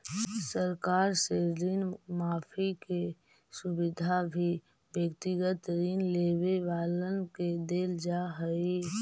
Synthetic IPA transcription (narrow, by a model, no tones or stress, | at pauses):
səɾkaːɾseɾiːnmaːpʰike | sʊbɪd̪ʱabʱi | bjəkt̪ɪɡət̪ɾiːnleːweʋaːlənked̪eːld͡ʒaɦəi